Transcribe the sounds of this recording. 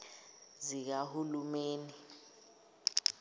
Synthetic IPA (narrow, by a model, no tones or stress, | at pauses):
zik̬ahulumeːni